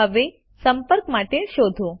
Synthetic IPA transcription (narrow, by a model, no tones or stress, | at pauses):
əʋe | səmpəɾkmaʈeʃod̪ʱo